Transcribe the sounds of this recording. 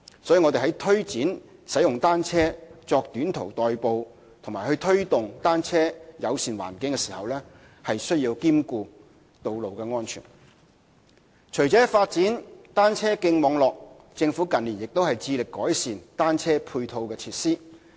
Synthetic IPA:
sɔː˨˥ji˨˧ŋɔ˨˧e˨ɦɐ˨˥jt̪ʰɵ˥ɥt͡siː˨˥nsɐ˨˥jʊ˨ŋt̪aː˥nt͡sʰɛː˥t͡sɔː˧k̚t̪yː˨˥nt̪ʰo˨˩wt̪ɔː˨jpo˨w | t̪ʰʊ˨˩maː˨˩jhɵ˧ɥt̪ʰɵ˥ɥt̪ʊ˨ŋt̪aː˥nt͡sʰɛː˥jɐ˨˧wsiː˨˩nwa̰ː˨˩nkɪ˨˥ŋkɛ˧siː˨˩hɐ̰˨wlɛː˥ | hɐ˨jsɵ˥ɥjiː˧wkiː˥mkuː˧ | t̪o˨wlo˨wkɛː˧ŋɔː˥nt͡ʃʰy̰ː˨˩n | t͡ʃʰɵ˨˩ɥt͡sɛː˨˥faː˧t̚t͡siː˨˥nt̪aː˥nt͡sʰɛː˥kɪ˧ŋmɔː˨˧ŋlɔː˨k̚ | t͡sɪ˧ŋfuː˨˥kɐ˨nliː˨˩njɪ˨k̚t̪o˥whɐ˨jt͡siː˧lɪ˨kːɔː˨˥jsiː˨˩nt̪aː˥nt͡sʰɛː˥pʰuː˧jt̪ʰo˧wkɛː˧t͡sʰiː˧t̚siː˥

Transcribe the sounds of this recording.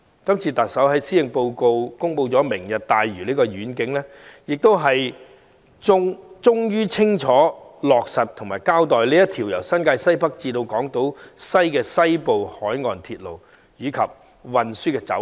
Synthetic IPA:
kɐ˥mt͡sʰiː˧t̪ɐ˨t̚sɐ˨˥wɦɐ˨jsiː˥lɪ˨ŋpo˧wko˧wkʊ˥ŋpo˧wt͡sɔː˨˥mɪ˨˩ŋjɐ˨t̚t̪aː˨jɥyː˨˩liː˥kɔː˧jyː˨˥nkɪ˨˥ŋlɛː˥ | jɪ˨k̚t̪o˥wɦɐ˨j | ʊ˥ŋt͡sʊ˥ŋjyː˥t͡sʰɪ˥ŋt͡ʃʰɔː˨˥lɔː˨k̚sɐ˨t̪ʰʊ˨˩ŋmaː˨jkaː˥wt̪ɔː˨jliː˥jɐ˥t̪ʰiː˨˩wjɐ˨˩wsɐ˥nkaː˧jsɐ˥jpɐ˥k̚t͡siː˧t̪o˧wkɔː˨˥ŋt̪o˨˥wsɐ˥jkɛː˧sɐ˥jpo˨whɔː˨˥jŋɔː˨nt̪ʰiː˧t̚lo̰˨˩w | jiː˨˧kʰɐ˨p̚ | wɐ˨nsyː˥kɛː˧t͡sɐ̰˨˥w

